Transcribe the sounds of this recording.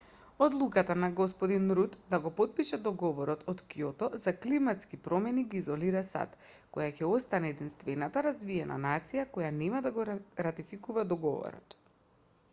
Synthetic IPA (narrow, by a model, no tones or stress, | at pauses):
ɔd̪lˠukat̪anaɡɔspɔd̪inɾut̪d̪aɡɔpɔt̪̚piʃɛd̪ɔɡɔvɔɾɔt̪ʰɔt̪kijɔt̪ɔzaklimat̪skipɾɔmɛniɡiːzɔliɾasa̰t̪ | kɔjacɛɔst̪anɛːd̪inst̪vɛnat̪aɾazviɛna̰nat̪sijakɔjanɛmad̪aɡɔɾat̪ifikuvad̪ɔɡɔvɔ̰ɾɔ̰t̪